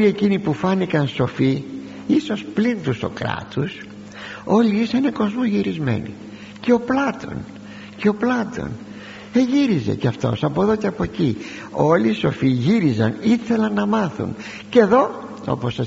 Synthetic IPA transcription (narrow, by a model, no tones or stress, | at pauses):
ie̞cinipufɐnikɐnso̞fi | iso̞splint̪uso̞̰kɾɐ̰t̪us | o̞liisɐneko̞zmozʝiɾizme̞̰nḭ | ceo̞plɐt̪o̞̰n | ceo̞plɐt̪o̞̰n | eʝiɾizḛcɐft̪o̞̰sɐpo̞eðo̞ceɐpo̞ci | o̞liːso̞fiʝiɾizɐ̰niθe̞lɐnːɐmɐθṵn | ce̞ðo̞ | o̞̰posɐ